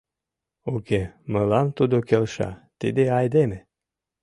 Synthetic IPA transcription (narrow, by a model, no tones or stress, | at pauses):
okeməlɑmt̪ud̪okelʃɑ̰t̪ḭd̪eɑjd̪eme